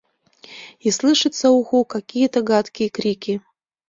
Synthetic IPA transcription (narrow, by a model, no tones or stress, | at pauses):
islˠɨʂɨt̪səuɣukakʲijət̪əɡat̪kʲijəkɾʲikʲi